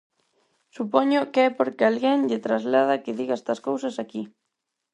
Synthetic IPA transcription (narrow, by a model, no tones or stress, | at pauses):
supɔɲʊkeɛpoɾkɪalɣeŋʎɪt̪ɾazlað̞ɐkɪðiɣaɛst̪ɐskowsɐsaki